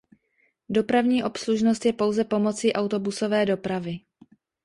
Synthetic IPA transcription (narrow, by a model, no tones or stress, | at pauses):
do̞pɾavɲiːʔo̞psluʒnost̪jɛpo̞wzɛpo̞mo̞t͡siːʔawt̪o̞buso̞vɛːdo̞pɾavɪ